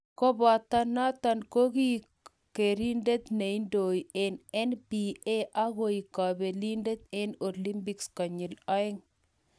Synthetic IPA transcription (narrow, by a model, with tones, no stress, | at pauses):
ko˦ba˨t̪a˦na˦t̪a˦nko˦ɡi˦ | ke˨ɾi˦nde˦t̪ne˨i˦ndo˨ie˨nɛ˦nbi˨e˦ʔa˦ɡo˨i˨ka˨be˨li˦nde˦t̪e˦no˨li˦mpi˦kska˨ɲi˨lɔ˦ɪ˦ŋ